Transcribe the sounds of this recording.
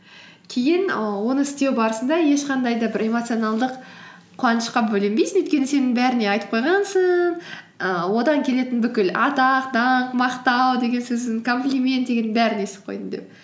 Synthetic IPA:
kʲʰe̞jɪnwo̞nəɪst̪e̞wbɑɾəsənd̪ɑje̞ʃqʰɑnd̪ɑjd̪ɑbɪɾe̞mo̞t̪sijo̞nɑlˠd̪əq | qʰʊɑnəʃqɑbɵlembejsɪnɵjt̪ʲkʲe̞nɪse̞nɪŋbæɾɪne̞ɑjt̪ə̥p̚qʰojʁɑnsəɴ | əwo̞d̪ɑŋkʲʰe̞le̞t̪ɪnbʏkʲɪlɑt̪ɑq̚d̪ɑɴmɑqt̪ɑwd̪e̞ɡʲe̞nsɵzd̪ɪŋkʰo̞mplʲˠimʲe̞nt̪̚d̪e̞ɡʲenɪnbæɾɪnesɪ̥p̚qʰo̞̰jd̪ənd̪ḛp

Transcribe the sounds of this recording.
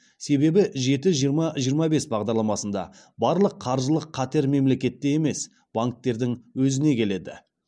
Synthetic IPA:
se̞be̞bɪʒe̞t̪ɪʒijəɾmɑʒijəɾmɑbe̞sbɑʁd̪ɑɾlˠɑmɑsənd̪ɑ̰ | bɑɾlˠəqʰːɑɾʒəlˠəqʰːɑt̪e̞ɾme̞mle̞kʲe̞t̪ːe̞jeme̞s | b̥aŋk̚t̪ːe̞ɾd̪ɪŋwɵzɪne̞kʲʰe̞le̞d̪ɪ̰

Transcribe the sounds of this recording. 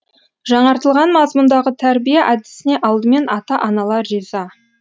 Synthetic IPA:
ʒɑɴɑɾt̪əlˠʁɑnmɑzmənd̪ɑʁət̪ʰæɾbijeʔæd̪ɪsɪne̞ʔɑlˠd̪əme̞nʔɑt̪ɑʔɑnɑlˠɑrizɑ

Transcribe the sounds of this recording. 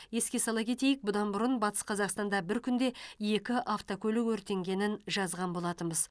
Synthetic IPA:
je̞skʲe̞sɑlˠɑpkʲʰe̞t̪e̞jɪk̚bʊd̪ɑnbʊɾənbɑt̪ə̥sqʰɑzɑqst̪ɑnd̪ɑbɪɾkʲʰʏnd̪e̞je̞kʲɪʔaft̪okʲʰɵlɪkwɵɾt̪e̞ŋɡʲe̞nɪnʒɑzʁɑnbo̞lˠɑt̪ənbəz̥

